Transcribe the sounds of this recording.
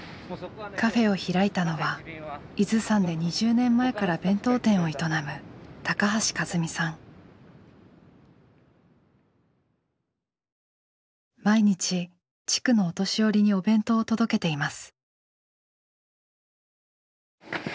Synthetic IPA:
kʰaɸe̞o̞çiɾait̪ano̞βa | izɨsãnd̪e̞ɲ̟iʑɨːnẽ̞mːae̞kaɾabẽ̞nt̪o̞ːt̪ẽ̞ɰ̃o̞it̪o̞namɯ̟t̪akaɦaɕi̥kazɨmʲisãŋ | maiɲ̟it͡ɕi | t͡ɕi̥kɯ̟no̞ːt̪o̞ɕio̞ɾʲiɲ̟io̞bẽ̞nt̪o̞ːt̪o̞d̪o̞ke̞t̪e̞imasɨ̥

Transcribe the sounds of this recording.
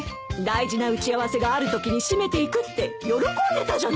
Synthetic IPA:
d̪aiʑinaɯ̟t͡ɕiaβ̞ase̞ɡaːɾɯ̟t̪o̞kʲiɲ̟iɕime̞t̪e̞ikɯ̟t̪ːe̞jo̞ɾo̞kõ̞nd̪e̞t̪aʑa

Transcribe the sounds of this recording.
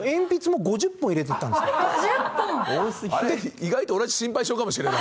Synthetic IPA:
ẽ̞mpʲit͡sɨmo̞ɡo̞ʑɨpːõiɾe̞t̪et̪ːãnd̪espːõsʲd̪eiɡait̪oːnaʑi̥ɕĩmpaiɕio̞ːkamo̞ɕ̬iɾenna

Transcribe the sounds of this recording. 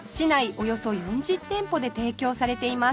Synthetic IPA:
ɕinaio̞jo̞so̞jõɲd͡ʑit̪ːẽ̞mpo̞d̪e̞t̪e̞ːkʲo̞ːsaɾe̞t̪e̞ima

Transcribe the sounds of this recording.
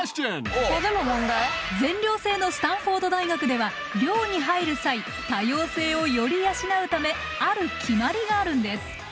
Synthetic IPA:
ɕtenkokod̪emomõnd̪aɛzẽ̞ɲɾʲo̞ːse̞ːno̞ɕɨ̥t̪ãɰ̃ɸo̞ːd̪o̞d̪aiɡakɯ̟d̪e̞βa | ɾʲo̞ːɲ̟iɦaiɾɯ̟sai | t̪ajo̞ːse̞ːo̞jo̞ɾʲijaɕinaɯ̟t̪ame̞ | aɾɯ̟kʲʰimaɾʲiɡaːɾɯ̟̃nd̪e̞sɨ̥

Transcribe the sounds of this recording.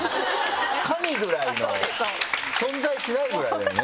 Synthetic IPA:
kʰamʲiɡɯ̟ɾaino | sõ̞nzaiɕinaiɡɯ̟ɾa̰d̪ene

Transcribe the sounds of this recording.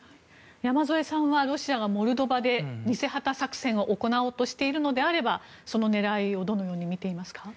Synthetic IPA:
jamazo̞e̞sãβaɾo̞ɕiaɡamo̞ɾɯ̟d̪o̞bad̪e̞ɲ̟ise̞hat̪asakɯ̥sẽ̞ɰ̃o̞ʔoko̞nao̞ːt̪o̞ɕi̥t̪e̞iɾɯ̟no̞d̪e̞aɾe̞ba | so̞no̞ne̞ɾaio̞d̪o̞no̞jo̞ːɲ̟imʲit̪e̞imasɨ̥ka

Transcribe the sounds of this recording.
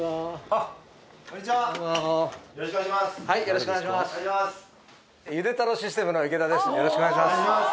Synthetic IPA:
shaijo̞ɾoɕikoneaɕimass | jɯ̟d̪e̞t̪anoɕis̬ɨ̥t̪emɯ̟no̞ike̞t̪ad̪e̞sɨ̥jo̞ɾoɕikoneɡaɕimas

